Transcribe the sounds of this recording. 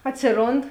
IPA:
ˈɑːtʲsʲɪˌroːnt

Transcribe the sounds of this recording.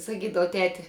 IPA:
sɐˈkʲiːdɐʋɐ ˈtʲæːtʲɪ

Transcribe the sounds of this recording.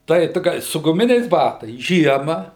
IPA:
tɐɪ ˈtʊ ɡɐlʲ sʊ ɡʊˈmʲɪnʲɛɪs ˈbɑːtɐɪs ˈʒʲiɛmɐ

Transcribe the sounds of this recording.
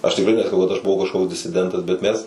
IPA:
ˈɐʃ tʲɪkˈrɐɪ nʲɛsɐˈkɐʊ kɐt ɐʃ bʊˈʋɐʊ kɐʃˈkoːks dʲɪsʲɪˈdʲɛntɐs bʲɛt ˈmʲɛs

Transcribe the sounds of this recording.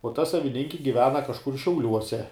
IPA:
uɔ ˈtɐ sɐʋʲɪˈnʲɪŋʲkʲɪ ɡʲɪˈʋʲæːnɐ kɐʃˈkʊr ʃʲɛʊˈlʲuɔsʲɛ

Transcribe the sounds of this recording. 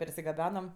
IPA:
pʲɛrʲsʲɪɡɐˈbʲæːnɐm

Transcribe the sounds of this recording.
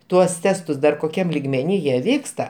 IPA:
ˈtuɔs ˈtʲæːstʊs ˈdɐr koːˈkʲɛm lʲɪɡmʲɛˈnʲiː jiɛ ˈʋʲiːkstɐ

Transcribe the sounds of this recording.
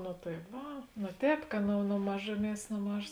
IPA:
noː tɐɪ ˈʋɐ noː ˈtʲɛːp kɐ nʊ nʊ ˈmɑːʒʊˌmʲiɛs noː ˈmɑːʒoːs

